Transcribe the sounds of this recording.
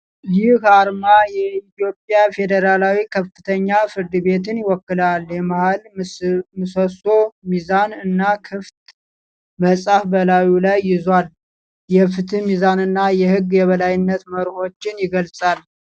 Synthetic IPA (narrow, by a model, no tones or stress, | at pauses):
jɪhaɾmajɛit̪jo̞pʼjafe̞d̪əɾalawikʰəfːɨt̪ʰəɲːafɨɾd̪ɨbe̞t̪ɨnjɪwɔkːɨlaljɛmahal | mɨsoso̞mizanɨnːakʰɨft̪ | məsʼafbəlawulajːɪzwal | jɛfɨt̪ʰɨmizanɨnːajɛhɨɡjɛβəlajɪnːət̪məɾho̞t͡ʃːɪnjɪɡəlsʼal